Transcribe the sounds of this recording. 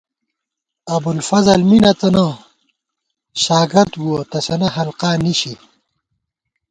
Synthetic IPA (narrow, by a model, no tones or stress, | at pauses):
ɐbulfɐzɐlminɐt̪ɐnɐ | ɕaːɡɪɾd̪wuɐt̪ɐsɐnɐɦɐlqaːniɕi